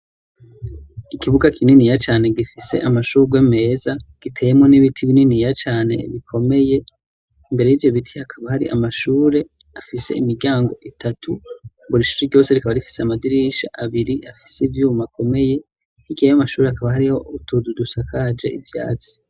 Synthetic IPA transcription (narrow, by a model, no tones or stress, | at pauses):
ikiβuɡakʰininijat͡ʃaːne̞ɡifise̞̰ʔamaʃuːɾɡweme̞ːzaɡ̥itʰe̞ːjemŋo̞niβitʰiβininijat͡ʃaːne̞̰βikʰo̞me̞je̞ | imbe̞ɾe̞jivjo̞βitʰihakʰaβahaɾḭʔa̰maʃuːɾe̞ | afise̞̰imiɡɟjaːŋɡo̞ʔitʰatʰu | βuɾiʃu̥ɾiɾɟo̞ːse̞ɾikaβaɾifi̥seamadiɾiʃa̰ʔaβiɾiʔafi̥seivjuːmako̞me̞je̞ | hiɡejamaʃuːɾeakaβahaɾiho̞utuzudusakad͡ʒe̞ivja̰ːt͡si̥